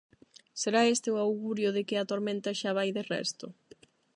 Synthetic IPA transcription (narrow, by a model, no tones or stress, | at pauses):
seɾaest̪ɪʊawɣuɾjʊðɪkɪɐt̪oɾmẽnt̪aʃaβ̞ajðɪrɛ̰st̪ʊ